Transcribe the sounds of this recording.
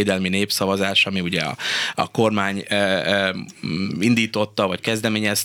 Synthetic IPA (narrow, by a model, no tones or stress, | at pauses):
d̪ɛlmineːpsɒvɒzaːʃɒmiuɟɛɒ̰ɒ̰ko̞rmaːɲ | ind̪iːt̪o̞t̪ːɒvɒckɛzd̪ɛmeːɲɛs